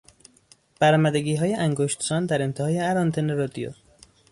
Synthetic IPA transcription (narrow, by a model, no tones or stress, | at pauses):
b̥æɾɒːmæd̪eɡiːɦɒːjeʔæŋɡoʃt̪sɒːnd̪æɾent̪ʰehɒːjeæɾɒːnt̪ʰeneɾɒd̪ijo̰